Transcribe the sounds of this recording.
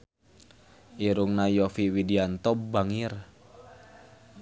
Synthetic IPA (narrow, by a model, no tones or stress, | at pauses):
ʔiɾuŋnajɔfiwidiant̪ɔbaŋir